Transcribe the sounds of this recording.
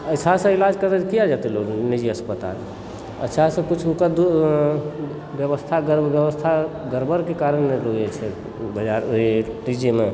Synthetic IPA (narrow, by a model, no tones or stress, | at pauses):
ətːʃʰasə̃ilad͡ʒkəɾəd͡ʒkijad͡ʒat̪eloɡnid͡ʒiəspət̪a̰l | ə̰ʃʰasə̃kut͡ʃʰukəd̪u | bjəbəst̪ʰaɡəɾbjəbəst̪ʰaɡəɾbəɾkekaɾənmeɾojɛt͡ʃʰɛ | bəd͡ʒaɾoɦiʈid͡ʒeme